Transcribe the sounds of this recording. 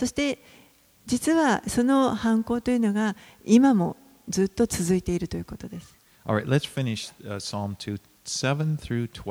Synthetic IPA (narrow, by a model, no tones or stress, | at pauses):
so̞ɕi̥t̪e̞ | d͡ʑit͡sɨβaso̞no̞hãŋko̞ːt̪o̞jɯ̟no̞ɡa | imamo̞ | zɨːt̪ːo̞t͡sɨzɨit̪e̞iɾɯ̟t̪o̞jɯ̟ko̞t̪o̞d̪e̞sɨ̥ | ʔɑlˠɹaɪtlɨtsfɪ̃nɪʃsɑ̃mtʰʉ | sɛvə̃nθɹʉtʰw